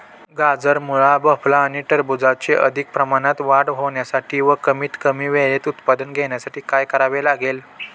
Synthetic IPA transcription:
ɡad͡zəɾmuɭabəflaːɽ̃iʈəɾbud͡zat͡seʔə̰d̪ʱik̚pɾəmaɽat̪ʋaɽɦoʋɳjasaʈʰiːʋəkəmiːt̪kəmiːʋeɭet̪ut̪pad̪ənɡʱeɳjasaʈʰiːkajkəɾaʋelaɡel

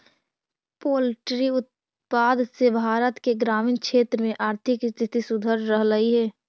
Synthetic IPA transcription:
poːlʈɾiʊt̪̚ | paːd̪sebʱaːɾət̪keɡɾaːmɪnkʰʃeːt̪ɾəmẽʔaːɾt̪ʰɪkst̪ʰɪt̪isʊd̪ʱəɾɾəɦləiɦɛː

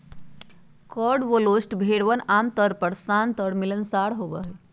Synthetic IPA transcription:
kɔɽʋolosʈbʱeɽʋənamt̪əɾpəɽsant̪əɽmilənsaɽɦobəɦe

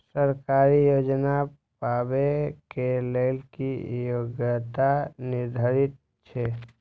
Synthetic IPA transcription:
səɾkaːɾijoːd͡ʒna | paːbekeləɪlkijoɡjət̪anɪɾd̪ʱəɾɪt̪̚ | t͡ʃʰe

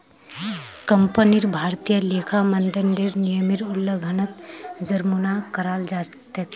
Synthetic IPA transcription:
kəmpəniɾbʱaːɾt̪ijəleːkʰamənd̪ɪnd̪ɪɾnijəmɪɾʊlːəɡʱɐnət̪d͡ʒɐɾmunakəɾaːld͡ʒaːt̪ə

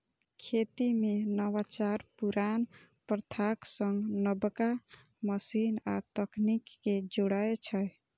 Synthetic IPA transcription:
kʰet̪imenəwat͡ʃaɾpuɾan | pɾt̪ʰaksəŋɡnəbka | məsinat̪əknikːed͡ʒoɽaet͡ʃʰəj

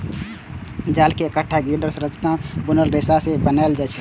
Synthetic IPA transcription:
d͡ʒaːlkeəkəʈʰːaɡiɖəɾsɾət͡ʃt̪ãbʊnəlɾesasebənaeld͡ʒat͡ʃʰ

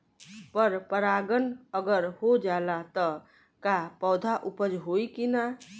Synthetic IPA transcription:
pəɾpəɾaɡənəɡəɾhod͡ʒalat̪ə | kapɔwd̪ʱaʔupəd͡ʒɦoikina

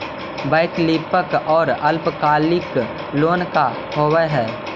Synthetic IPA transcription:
baɪkliːpəkɔːɾɐlpkaːlɪk | loːnka | ɦoːwəɦɛː

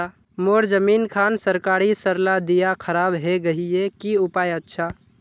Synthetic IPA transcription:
a | moːɾd͡ʒəmiːnkʰaːnsəɾkaːɾisəɾlad̪ijakʰəɾaːbɦɛɡɐɦiekiʊpaːjətːʃʰaː

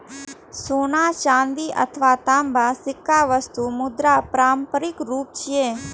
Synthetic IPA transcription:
soːnaːt͡ʃãːnd̪iːʔə̰t̪ʰʋaːt̪aːmbaːsɪkːaːʋəst̪uːmʊd̪ɾaːpɾaːmpəɾɪkɾuːp̚t͡ʃijeː

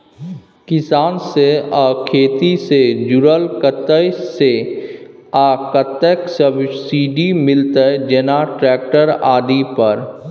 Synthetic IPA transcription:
kɪsaːnseɔːkʰeːt̪ised͡ʒʊɾəlkət̪əse | aːkət̪əksəbsiːɖimɪlt̪əd͡ʒɛnaʈɾɛːk̚ʈəɾaːd̪ipəɾ

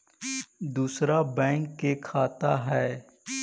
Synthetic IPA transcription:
d̪uːsɾabɛ̃ːŋkːekʰaːt̪aɦɛː

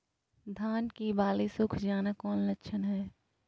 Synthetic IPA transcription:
d̪ʱaːnkibaːlisʊkʰd͡ʒaːnakɔːnlɐtːʃʰənɦɛː

